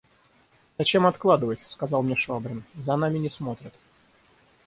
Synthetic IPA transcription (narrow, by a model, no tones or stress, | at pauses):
zɐt͡ɕe̞mɐt̪klˠad̪ɨvəsʲskɐzɑlˠmnʲeʂabɾʲɪnzɐnamʲɪnʲɪsmo̞t̪ɾʲɪt̪